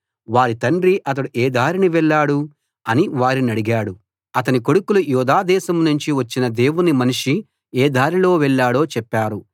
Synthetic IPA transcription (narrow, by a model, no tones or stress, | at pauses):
ʋaːɾit̪ɐɳɖɾiʔɐt̪̬ɐɽuʔeːd̪ʱaːɾiniʋɛɭːaːɽu | ɐniʋaːɾinɐɽiɡaːɽu | ɐt̪ɐniko̞ɽukulujuːd̪aːd̪ɛːsɐmnuɲt͡ʃiʋɐt͡ʃːinɐd̪e̞ːwunimɐniʂi | ɛːd̪ʱaːɾilo̞ːʋɛɭːaːɽo̞ːt͡ʃɛpːaːɾu